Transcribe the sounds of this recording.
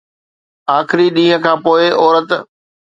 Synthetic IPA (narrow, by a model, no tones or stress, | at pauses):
aːxɪɾiɗĩːɦə̃̆kʰãːpoːɪʔɔːɾət̪